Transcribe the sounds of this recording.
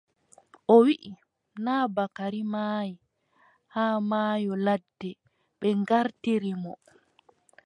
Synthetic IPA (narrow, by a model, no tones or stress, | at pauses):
ʔɔwiʔi | naːbakaɾimaji | haːmaːjɔladːɛ | ɓɛŋɡaɾtiɾimɔ